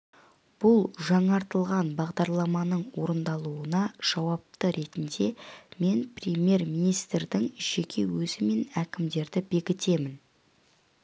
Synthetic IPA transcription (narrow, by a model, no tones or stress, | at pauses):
b̥ʊlˠʒɑɴɑɾt̪əlˠʁɑnbɑʁd̪ɑɾlˠɑmɑnəɴwo̞ɾənd̪ɑlˠuənɑʒ̥ɑwɑp̚t̪əɾʔe̞t̪ɪnd̪e̞me̞nprʲemje̞ɾmijnijst̪ɾd̪ɪŋʒ̥e̞kʲʰe̞wɵzɪme̞nækʲɪmd̪e̞ɾd̪ɪbe̞kʲɪt̪e̞mɪn